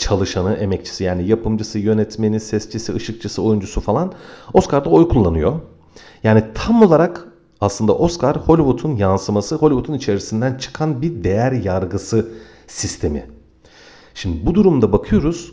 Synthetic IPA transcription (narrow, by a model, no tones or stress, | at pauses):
t͡ʃʰalˠɯʃanɯʔe̞mɛct͡ʃʰi̥sijaːnijapʰɯmd͡ʒɯsɯjø̞nɛt̪me̞nisɛst͡ʃʰisiɯʃɯk̚t͡ʃʰɯsɯo̞jund͡ʒusufalˠano̞skaɾd̪ao̞jkʰulˠːanɯjo̞ | jaːnit̪ʰamo̞lˠaɾak | aslˠɯnd̪a̰ʔo̞skaɾho̞lʲivut̪ʰunjansɯmasɯɦo̞lʲivut̪ʰunit͡ʃʰe̞ɾisind̪ænt͡ʃʰɯ̥kʰanbiɾd̪e̞jæɾjaɾɡɯsɯ | sist̪ʰe̞mḭ | ʃimd̪ibud̪uɾumd̪abakʰɯjo̞ɾuz̥